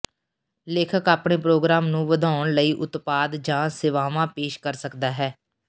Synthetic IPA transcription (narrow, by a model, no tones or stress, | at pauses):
leːkʰəkaːpɳeːpɾoːɡɾaːmnũːʋəd̪ʱaːʊɳləiːʔʊt̪paːd̪d͡ʒãːsɪʋaːʋãːpeːʃkəɾsəkd̪aːɦɛː